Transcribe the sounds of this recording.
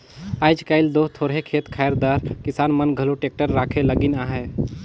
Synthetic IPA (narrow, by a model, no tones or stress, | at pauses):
aːjd͡ʒkaɪld̪oːɦt̪ʰoːɾɦekʰeːt̪kʰajəɾd̪aːɾkɪsaːnmənɡʱəloʈeːk̚ʈəɾːaːkʰeləɡɪnaːɦɛ